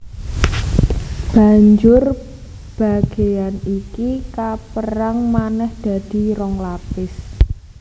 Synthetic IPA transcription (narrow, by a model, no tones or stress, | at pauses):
b̥a̤ɲd͡ʒʊr | b̥a̤ɡ̥e̤janikikapəɾaŋmanɛhd̪̥a̤d̪̥i̤ɾɔŋlapɪs